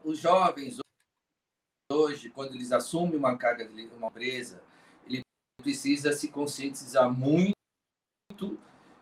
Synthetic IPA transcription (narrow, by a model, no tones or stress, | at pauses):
ʊzʒɔvẽj̃z | oʒɪkwɐ̃nd̪ʊelɪzasũmẽũmɐkaɾɡɐdɪlũmɐ̃pɾezɐ | elɪ | pɾesizɐsɪkõsiẽnt̪izaɾmũj̃ | t̪ʊ